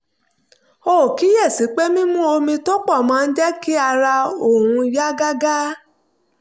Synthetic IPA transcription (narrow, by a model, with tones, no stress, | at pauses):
o˦˨ki˨˦jɛ˦˨si˨˦k͡pe˦mĩ˦mũ˦o˧mĩ˧to˦k͡pɔ˦˨mã˨˦n̩˦d͡ʒɛ˦ki˦a˧ɾa˧o˨ɾ̃ũ˧ja˦ɡa˦ɡa˦